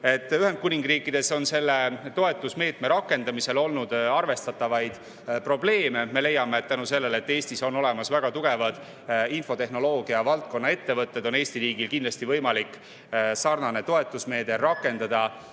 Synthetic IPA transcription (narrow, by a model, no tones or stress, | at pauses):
e̞t̪ːˑyɦed̪̥̚kunʲiŋɡ̥riːkːˑid̪̥e̞so̞nse̞lːe̞t̪o̞e̞t̪ːˑusme̞ːt̪me̞ɾɑkːˑe̞nd̪ɑmise̞lo̞lnud̪̥ɑrve̞st̪ɑt̪ːˑɑvɑjd̪̥ | pro̞ble̞ːme̞me̞le̞jɑme̞ːt̪t̪ːænuse̞lːe̞le̞t̪ːe̞ːsʲt̪iso̞no̞le̞mɑsvæɡ̥ɑt̪uɡ̥e̞vɑd̪̥ | info̞t̪e̞hno̞lo̞ːɡ̥iɑvɑlt̪̚ko̞nːɑe̞t̪ːe̞vɤt̪ˑːe̞d̪̥o̞ne̞ːst̪iɾiːɡilkind̪lɑst̪ivɤjmɑlikːˑ | sɑrnɑne̞t̪o̞e̞t̪ːˑusme̞ːd̪eːɑkːˑe̞nd̪̥ɑd̪̥ɑ